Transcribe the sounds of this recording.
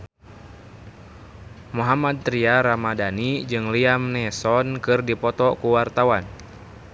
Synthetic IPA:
muɦamad̪̚t̪ɾiaɾamadanid͡ʒɨŋliamnɛsɔnkɨrdipɔt̪ɔkuwart̪awan

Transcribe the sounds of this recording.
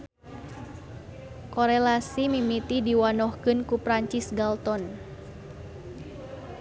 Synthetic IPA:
kɔɾɛlasimimit̪idiwanɔhkɨnkupɾaɲt͡ʃisɡalt̪ɔn

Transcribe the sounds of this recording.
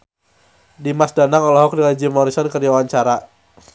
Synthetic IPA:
dimasdanaŋɔlɔɦɔk̚dilad͡ʒimɔɾisɔnkəriawaɲt͡ʃaɾa

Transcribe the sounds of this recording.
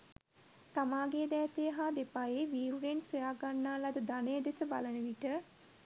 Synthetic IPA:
t̪amaːɡeːd̪ɛːt̪ejəɦad̪epajeʋiːɾuɾensəjaːɡanːaːlad̪əd̪anəjəd̪esəba̰lənəʋiʈə

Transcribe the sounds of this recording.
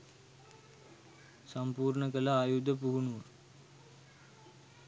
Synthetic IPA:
sampuːrɳəkəlaːjud̪əpuɦunuʋə

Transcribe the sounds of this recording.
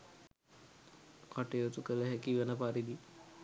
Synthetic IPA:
kaʈejot̪ukələɦɛkiʋənəpaɾid̪i

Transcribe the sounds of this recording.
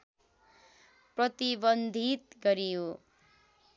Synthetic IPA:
prʌt̪ibʌnd̪ʱit̪̚ɡʌɾijo

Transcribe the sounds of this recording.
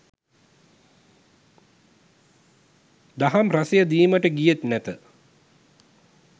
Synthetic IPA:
d̪aɦamrasejəd̪iːməʈəɡijet̪næt̪ə

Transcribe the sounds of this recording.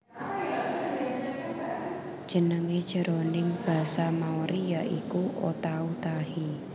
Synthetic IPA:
d̥ʒ̥ə̤nəŋed̥ʒ̥ə̤ɾonɪŋb̥a̤samaoɾʔijaʔḭkuo̰t̪aut̪ahi

